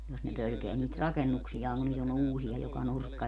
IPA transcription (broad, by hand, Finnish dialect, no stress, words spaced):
jos ne pølkeæ niːt rɑkenːuksijɑːŋ kun nyt on uːsiɑ jokɑ nurkːɑ